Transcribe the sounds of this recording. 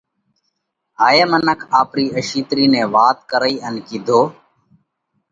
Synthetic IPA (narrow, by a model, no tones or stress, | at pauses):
ɦaːjeːmənəkʰaːpɾiːəʃiːt̪ɾiːnẽːʋaːt̪kəɾəiːʔənkiːd̪ʱoː